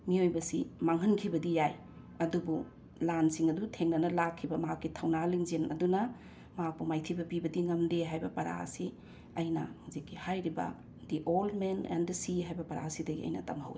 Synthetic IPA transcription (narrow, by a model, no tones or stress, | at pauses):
miojbɐsimaŋɦɐnkʰibɐdijaj | ɐdubu | lansiŋɐdutʰeŋnɐnɐlakʰːibɐmɦakːitʰɐwnaliŋzenɐ̰dunɐ | mɐɦak̚pumajtʰibɐbibɐdiŋɐmdeɦajbɐpɐɾa̰ɐ̰si | ɐjnɐ̰muzikːihajɾibɐ̰ | diʔolmenḛndisiɦajbɐpɐɾa̰sidɐɡiɐ̰jnɐ̰tɐmɦɐ̰wi